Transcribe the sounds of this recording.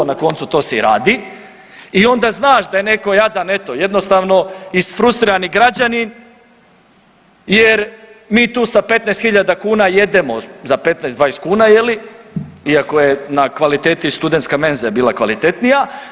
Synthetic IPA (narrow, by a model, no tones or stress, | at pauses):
onako̞nt̪sut̪o̞ːsɛɾaːd̪i | io̞nd̪aznaːʃd̪ajeneko̞jad̪ane̞t̪o̞je̞d̪no̞st̪aːʋno̞isfɾust̪ɾiɾaniɡɾad͡ʑanin | jeɾmiːt̪uːsape̞t̪najst̪xiʎad̪akuːnaje̞d̪e̞mo̞zape̞t̪najsd̪ʋaːjest̪̚kuːnaje̞li | iakojenakʋalit̪eːt̪ist̪ud̪ent̪skame̞nzijabiːlˠakʋalit̪e̞t̪nija